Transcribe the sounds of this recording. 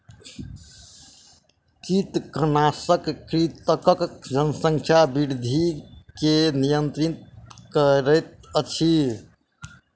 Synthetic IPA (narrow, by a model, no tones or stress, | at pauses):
kɾit̪kənasəkːɾit̪əkəkd͡ʒənsəŋkʰjabiɾd̪ʱikenijənt̪ɾit̪kəɾət̪̚ət͡ʃʰi